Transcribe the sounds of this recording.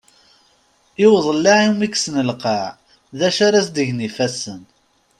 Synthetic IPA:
ɪwðˤlːaʕimiksnəlqɑʕ | ðæʃaɾæsd̪əʝnifæsən

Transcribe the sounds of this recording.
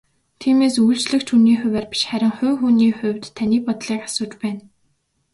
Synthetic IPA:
t̪ʰiːmeːsujɮt͡ɕɮɘ̆kt͡ɕʰuniːχʊ̟wæːrpi̥ʃχæɾʲɪ̆ŋχʊːxuːniːχʊ̟wʲt̪ʰːaniːpɔt̪ɮiːkḁsʊːt͡ɕpæːn

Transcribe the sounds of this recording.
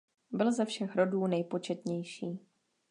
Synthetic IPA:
bɪlzɛfʃɛxɾo̞duːnɛjpo̞t͡ʃɛt̪ɲɛjʃiː

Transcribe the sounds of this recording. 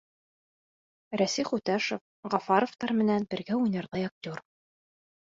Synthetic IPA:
ɾæsijχut̪æʃof | ʁɑfɑɾŏft̪ɑɾmɘ̆nænbɘ̆ɾɡæujnɤ̆ɾðɤjɑk̚t̪ʲor

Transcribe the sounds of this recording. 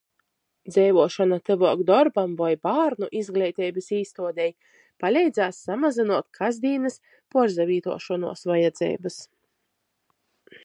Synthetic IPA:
d̪zɛjvuɔʃɔnat̪ɨvuɔɡd̪ɔɾbamvajbaːɾnuʔizɡlʲɛjt̪ʲɛːjbɨsiːst̪uɔd̪ʲɛj | palʲɛjd̪zaːsːamazinuɔt̪kʰazd̪iːnɨs | puɔɾzavʲiːt̪ṵɔʃɔnṵɔsvajɛd̪zɛ̰ːbɨs

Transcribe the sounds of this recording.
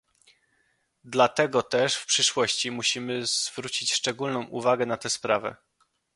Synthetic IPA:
d̪lat̪ɛɡɔt̪ɛʂfpʂɘʂwɔɕt͡ɕimuɕimɘzvɾut͡ɕit͡ɕʂt͡ʂɛɡulnɔ̃w̃ʔuvaɡɛnat̪ɛspɾavɛ̰

